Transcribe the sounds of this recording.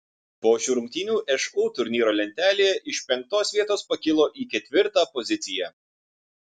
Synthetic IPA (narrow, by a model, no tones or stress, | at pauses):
poːʃʲʊɾʊŋʲk̚ʲt̪ʲɪnʲuːʔɛʃuːt̪ʊɾʲnʲiːɾoːlʲɛnʲt̪ʲæːlʲeːʔɪʃpʲɛŋk̚t̪oːsʋʲiɛt̪oːspɐkʲɪlˠoːʔiːkʲɛt̪ʲʋʲɪɾt̪ɑːpɔzʲɪt̪sʲɪjɛ